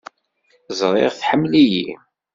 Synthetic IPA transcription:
zˤɾˤeʁθħəmːlijḭ

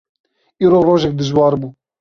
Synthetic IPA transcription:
iːɾoːroːʒɛk̚d̪ɨʒwɑːɾbuː

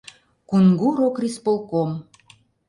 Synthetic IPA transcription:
kunɡuɾokrispolˠkom

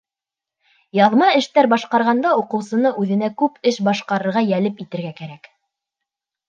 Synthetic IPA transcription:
jɑðmɑɘ̆ʃt̪æɾbɑʃqɑɾʁɑnd̪ɑuqɤ̆wsɤ̆nɤʔʉðɘ̆nækʉpɘʃbɑʃqɑɾɤ̆ɾʁɑjælɘpit̪ɘ̆ɾɡækæɾæk

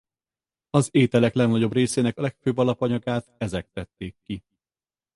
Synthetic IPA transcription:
ɒzeːt̪ɛlɛklɛɡnɒɟo̞breːseːnɛkɒlɛkføːbːɒlɒpɒɲɒɡaːt̪ɛzɛk̚t̪ːɛt̪ːeːkːi

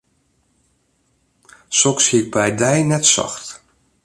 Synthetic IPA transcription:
sɔkshiək̚bɛjdɛjnɛtsa̰xt

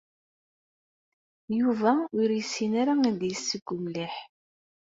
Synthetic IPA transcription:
juvæʊɾjəsːinaɾaæd̪jəsːəɡ̥ʷːʊmliħ

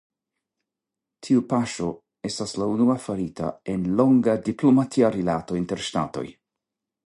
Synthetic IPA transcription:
tʰiupaʃo̞ | e̞staslaunuafaɾita̰e̞nlo̞ŋɡadiplomatʰiaɾilato̞inteɾʃta̰to̞̰j

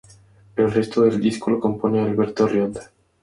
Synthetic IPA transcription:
elrest̪oðeld̪iskoloko̞mponealβeɾt̪orjond̪a

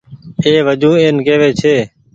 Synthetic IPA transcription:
eːʋəd͡ʒʱũːeːnkeːʋeːt͡ʃʰeː

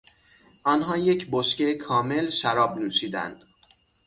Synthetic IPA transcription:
ʔɒːnɦɒːje̞cʰboʃcekʰɒːmelʃæɾɒːbnuːʃiːd̪æ̰nd̪̥

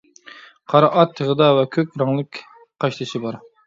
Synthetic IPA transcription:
qʰɑɾɑʔɑt̪ʰːəʁəd̪ɑvɛkʲʰøkʲɾɑŋlˠɨkʲ | qʰɑʃlˠɨʃibɑɾ

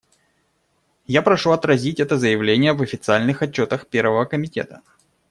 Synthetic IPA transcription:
japɾɐʂuɐt̪ɾɐzʲitʲɛt̪əzəjɪvlʲenʲɪjəvɐfʲɪt̪sɨalʲnɨxɐt͡ɕːo̞t̪əxpʲe̞rvəvəkəmʲɪtʲḛt̪ə

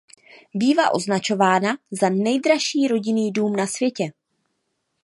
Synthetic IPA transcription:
biːvaʔo̞̰znat͡ʃo̞vaːnazanɛjdɾaʃiːɾo̞ɟɪniːduːmnasvjɛcɛ

